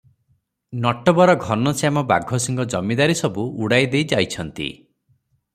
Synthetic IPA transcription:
nɔʈɔbɔɾɔɡʱɔnɔsjamɔba̰ɡʱɔsiŋɡɔd͡ʒɔmid̪aɾisɔbuuɽajd̪ejd͡ʒajt͡ʃʰɔnt̪ḭ

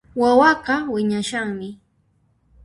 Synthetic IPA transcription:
wawɑɢɑwɪɲaʃaŋmɪ

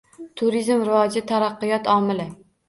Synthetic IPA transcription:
t̪ʰʊɾizmɾɪvɒd͡ʒɪt̪ʰaɾɑqːɨjɒt̪ʰɒmɪlɪ

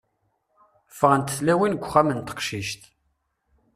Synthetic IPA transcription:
fəʁənt̪əθlæwinɡʷːχæmənt̪ə̥qʃiʃt̪

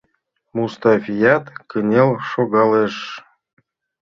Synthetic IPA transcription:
must̪ɑfʲijɑt̪kɘnʲelʃoɣɑleʃ

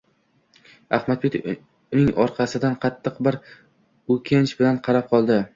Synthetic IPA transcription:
ahmad̪̚bet̪ | nɪŋɒɾqʰɑsɪd̪anqʰɑt̪ʰːɨqbɪɾ | ɵkʲʰant͡ʃbɪlanqʰɑɾap̚qʰɒlˠd̪ɪ

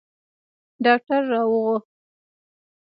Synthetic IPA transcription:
ɖɑk̚ʈaɾːɑwəɣo

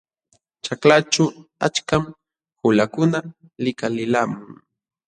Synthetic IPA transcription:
t͡ʃaklat͡ʃʊat͡ʃkam | hʊlakʊna | lɪkalɪlamʊŋ

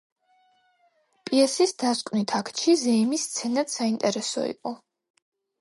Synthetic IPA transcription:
pʼiɛsisd̪̥askʼwnit̪ʰakʰt̪ʃʰizɛimist̪sʰɛnad̪saint̪ʼɛɾɛsɔ̰ḭqʼɔ

